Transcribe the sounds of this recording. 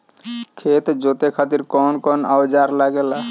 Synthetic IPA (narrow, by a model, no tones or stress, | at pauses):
kʰet̪d͡ʒot̪ekʰat̪iɾkɔnkɔnawd͡ʒaɾlaɡela